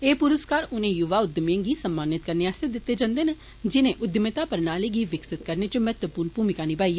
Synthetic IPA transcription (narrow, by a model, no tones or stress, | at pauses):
eːpʊɾʊskaːɾʊnẽːjʊʋaːʊd̪mẽːɡiːsəmːaːnɪt̪kəɾneːaːsed̪ɪt̪ːeːd͡ʒãːnd̪eːnə | d͡ʒɪnẽːʔʊd̪əmet̪aːpəɾnaːleːɡiːʋɪksɪt̪̚kəɾneːt͡ʃəmɛːt̪ʋəpuːɾnpuːmɪkaːniːpaːiː